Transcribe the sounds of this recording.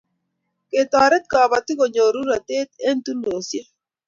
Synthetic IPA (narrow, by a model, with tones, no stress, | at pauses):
ke˨tɔ˨ɾɛ˦t̚ka˨ba˨tɪ˦ko˨ɲo˨ɾu˦ɾa˨te˦te˦n̩˦tu˦lo˨sje˦